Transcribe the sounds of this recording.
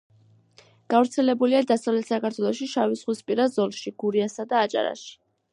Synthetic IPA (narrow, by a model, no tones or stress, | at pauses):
ɡ̥avɾt̪sʰɛlɛbuliad̪asavlɛt̪ʰsakaɾt̪ʰwɛlˠɔʃiʃavisχwispʼiɾazɔlˠʃiɡ̥uɾiasad̪aːt͡ʃʼa̰ɾa̰ʃi̥